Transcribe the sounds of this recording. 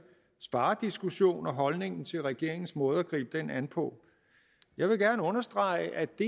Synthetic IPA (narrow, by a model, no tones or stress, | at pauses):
sb̥ɑ̈ːd̥isɡ̥uɕo̝̰ːnɒ̽ɦɒ̽lne̝ŋn̩t͡sʰe̝lʁɛɡ̥e̝̰ɐ̰e̝ŋn̩smɔ̽ːð̞̩ˠæɡ̥ʁḭːb̥əd̥enænpʰɔ̽ | jɑ̈ɪʋe̝ɡ̥æɐnəɔ̽nɐsd̥ʁɑ̈ɪəʔæd̥e̝